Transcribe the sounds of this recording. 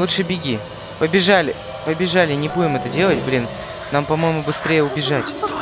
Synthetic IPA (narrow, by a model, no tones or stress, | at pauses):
lutʂɨbʲɪɡʲi | pəbʲɪʐalʲɪ | pəbʲɪʐalʲɪnʲɪbudʲɪmɛt̪ədʲe̞lˠət̚ʲblʲin | nampɐmo̞jɪmʊbɨst̪ɾʲejəʊbʲɪʐatʲ